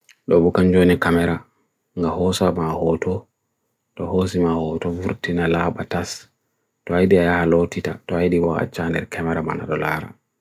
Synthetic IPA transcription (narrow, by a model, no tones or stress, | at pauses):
ɗɔbɔkand͡ʒonikamɛɾa | ŋɡahɔsamahɔtɔ | ɗɔhos̬imahɔtɔvuɾtinalaːɓatas | tɔajɗiajahalotitatɔajɗiwaa̰t͡ʃːandɛɾkʰɛmɛɾama̰na̰ɗɔlaɾa̰